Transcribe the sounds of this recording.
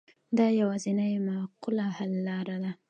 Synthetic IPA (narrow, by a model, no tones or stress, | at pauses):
d̪ɑjawazinajmawqʊlahalːɑɾad̪a